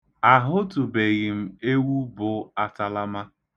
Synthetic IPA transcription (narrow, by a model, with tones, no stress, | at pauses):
a˨ɦʊ˦tu˨be˨ɣɪ˨m̩˨e˦wu˦bʊ˨a˨ta˨la˦ma˦